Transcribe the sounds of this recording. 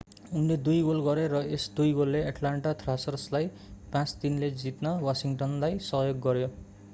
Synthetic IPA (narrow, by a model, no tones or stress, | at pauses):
unled̪ujɡolɡʌɾeɾʌesd̪ujɡolːeaʈlaɳʈat̪ʰrasʌrslaj | pãt͡st̪inled͡zit̪nʌwasiŋʈʌnlajsʌɦjoɡːʌɾjo